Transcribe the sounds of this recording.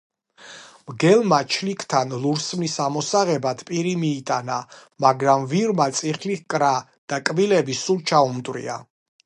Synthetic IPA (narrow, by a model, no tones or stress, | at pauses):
mɡɛlˠmat͡ʃʰlikʰt̪ʰanlˠuɾsmnisamɔsaʁɛbad̪ʰpʼiɾimiːt̪ʼana | maɡɾamviɾmat̪sʼiχlikʼɾa | d̪̥akʼbilɛbisult͡ʃʰaumd̪wɾḭa̰